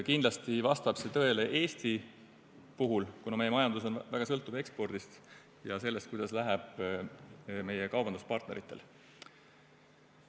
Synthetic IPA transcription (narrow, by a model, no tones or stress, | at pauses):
kind̪lɑst̪ivɑst̪ɑb̥se̞t̪ɤ̞e̞leʔe̞ːst̪i | puɦulkunɑme̞jemɑjɑnd̪̥us̬o̞nvæɡ̥ɑsɤlt̪ːˑube̞kspo̞rd̪̥ist̪ | jɑse̞lːe̞st̪̚kujd̪̥ɑslæɦæb̥ | me̞jekɑwbɑnd̪uspɑrt̪ne̞ɾit̪ːˑe̞l